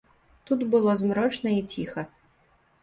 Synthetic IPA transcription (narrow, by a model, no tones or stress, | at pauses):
t̪ut̪bɨlˠɔzmɾɔt͡ʂnɐit͡sʲixɐ